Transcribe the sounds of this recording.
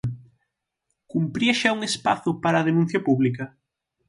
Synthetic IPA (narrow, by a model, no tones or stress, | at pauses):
kumpɾiɐʃauŋespaθʊpaɾɐːðenũn̟θjɐpuβlikɐ